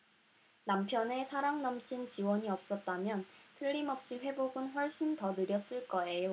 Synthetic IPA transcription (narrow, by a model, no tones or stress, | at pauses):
nampʰjʌne̞sʰaɾaŋnʌmt͡ɕʰint͡ɕiwʌɲiʌp̚s͈ʌt̚t͈amjʌntʰɯɭːimʌp̚ɕ͈iɸwe̞boɡɯnɸwʌɭɕ͈intʌnɯɾjʌs͈ɯɭk͈ʌe̞jo